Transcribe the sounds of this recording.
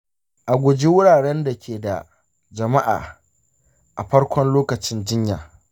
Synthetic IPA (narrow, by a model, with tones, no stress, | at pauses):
ʔa˨ɡʷʊ˨d͡ʒi˦wʊ˦ɽaː˨ɽɛ˦nda˨kʲʰeː˨da̰˨ | d͡ʒɐ˨ma˦ʔa̰ː˨ | ʔa˨ɸɐ˦ɽkʷɔ˦nloː˦kɐ˨t͡ʃɪ˦nd͡ʒɪ˦ɲja̰ː˨